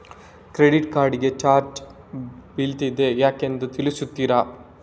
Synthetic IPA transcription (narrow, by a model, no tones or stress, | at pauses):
kɾeɖiʈkaːɾɖiɡe̞t͡ʃaːɾt͡ʃ | bilt̪id̪e̞jaːke̞nd̪ut̪ilisut̪ːiːɾa